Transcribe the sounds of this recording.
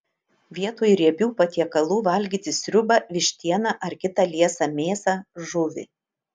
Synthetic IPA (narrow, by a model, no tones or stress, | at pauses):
ʋʲiɛt̪oːjɾʲiɛbʲuːpɐt̪ʲiɛkɐlˠuːʋɐlʲɡʲiːt̪ʲɪsʲɾʲʊbɐʋʲɪʃʲt̪ʲiɛnɐʔɐɾkʲɪt̪ɑlʲiɛsɑmʲeːsɑʒʊʋʲɪ̰